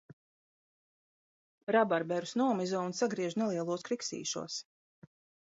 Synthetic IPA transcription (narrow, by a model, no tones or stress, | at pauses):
ɾabaɾbɛɾusnuɔmizɔːnsaɡɾiɛʒunelˠiɛlˠuɔskɾiksḭːʃṵɔs